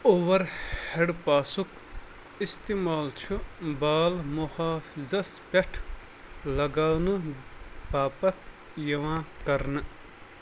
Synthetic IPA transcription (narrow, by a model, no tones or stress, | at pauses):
oʋɐɾheɽpaːsuk | ist̪imaːlt͡ʃʰubaːlmuhaːfizɐspʲɐʈʰ | lɐɡaːnɨ | baːpɐt̪ | jɐʋãːkɐɾnɨ